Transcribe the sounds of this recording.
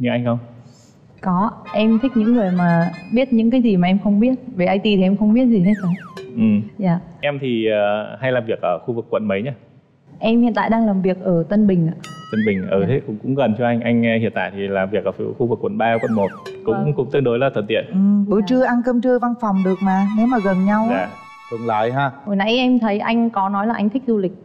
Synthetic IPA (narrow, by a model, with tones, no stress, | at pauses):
ɲɨ˧˦ʔa˧jŋ̟xə˧wŋ͡m | kɔ˨˦ʔɛ˧mt̪ʰï˦˥k̟̚ɲɨ̰˧˥ŋːɨ˨˩əjmaː˨˩ɓi˦˥ət̚ɲɨ̰˧˥ŋkaː˨˦jzi˨˩maː˨˩ʔɛ˧mxə˧wŋ͡mɓi˦˥ət̚ve˨˩ʔa˧jt̪i˨˩t̪ʰi˨˩ʔɛ˧mxə˧wŋ͡mɓi˦˥ət̚zi˨˩na˧˦jsa˨˦wʔɨ˨˩mzaː˨˩ʔɛ˧mt̪ʰi˨˩ə˨˩ha˧jlaː˨˩mvi˨˩ək̚ʔəː˧˩xu˧vɨ˨˩kːwə̰˧˨nmə˨˦jɲaː˧ | ʔɛ˧mhḭ˧˩˨nt̪a̰ː˧˨jɗaː˧ŋlaː˨˩mvi˨˩ək̚ʔəː˧˩t̪ə˧nɓï˨˩ŋ̟ʔaː˧˨t̪ə˧nɓï˨˩ŋ̟ʔəː˧˩t̪ʰe˨˦kʊ̰˧˥ŋ͡mkʊ̰˧˥ŋ͡mɣə˨˩nt͡ɕɔ˧ʔa˧jŋ̟ʔa˧jŋ̟˧hḭ˧˨ənt̪a̰ː˧˨t̪ʰi˨˩laː˨˩mvi˨˩ək̚ʔəː˧˩˧xu˧vɨ˨˩kːwə̰˧˨nɓaː˧kwə̰˧˨nmo˨˩t̚kʊ̰˧˥kʊ̰˧˥ŋ͡mt̪ɨ˧əŋɗo˨˦jlaː˨˩t̪ʰwə˨˩nt̪ḭ˧˨ən˨˩˨t͡ɕɨ˧əʔa˧nkəː˧mt͡ɕɨ˧əva˧nfa˨˩wŋ͡mɗɨ˨˩ək̚maː˨˩ne˨˦wmaː˨˩ɣə˨˩nɲa˧waː˧˨ | kʊ˨˦ŋ͡mlɔ˨˦jɦaː˧˩ho˨˩jna̰˧˥jʔɛ˧mt̪ʰə˨˦jʔa̰˧jŋ̟kɔ˨˦nɔ˨˦jlaː˨˩ʔa˧ŋ̟t̪ʰï˦˥k̚zu˧lï˨˩k̟̚